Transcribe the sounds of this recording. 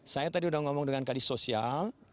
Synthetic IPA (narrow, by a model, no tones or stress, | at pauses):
sajat̪adiudahŋɔmɔŋdəŋankalisosial